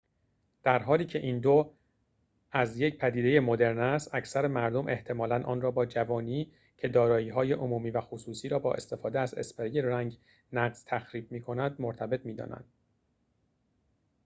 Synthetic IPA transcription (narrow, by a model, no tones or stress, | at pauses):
d̪̥æɾɦɒːliːcʰe̞ʔiːnd̪o | æzje̞cpʰæd̪iːd̪e̞je̞mod̪e̞ɾnæst̪æcʰsæɾemæɾd̪omʔe̞ht̪ʰe̞mɒːlænʔɒ̰ːnrɒːbɒːd͡ʒævɒːniː | cʰe̞d̪ɒːɾɒːiːɦɒːje̞ʔomuːmiːvæxosuːsiːɾɒːbɒ̰ːʔe̞̰st̪e̞fɒːd̪eæze̞̰speɾijeræŋɟ | næɢz̥t̪ʰæxɾiːb̚miːkʰo̞næd̪moɾt̪ʰæbe̞t̪ʰmiːd̪ɒ̰ːnæ̰nd̪̥